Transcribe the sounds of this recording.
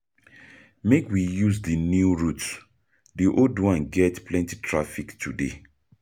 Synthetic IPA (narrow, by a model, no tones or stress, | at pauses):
mekwijuzdənjuɹut | diʔoldwãnɡɛtplɛ̃nti̥tʰɹafiktʰude